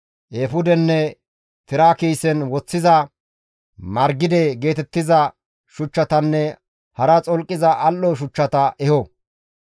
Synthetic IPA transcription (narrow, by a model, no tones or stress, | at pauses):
ʔeːfʊd̪ɛnːɛ | t̪ɪɾaːkijsɛnwɔt͡sːɪzɐ | mɐɾɡɪd̪ɛɡe̞ːt̪ɛt̪ːɪzɐ | ʃʊt͡ʃːɐt̪ɐnːɛ | hɐɾɐt͡sʼɔlkʼːɪzɐʔɐlːɔʃ̬ʊt͡ʃːɐt̪ɐʔɛhɔ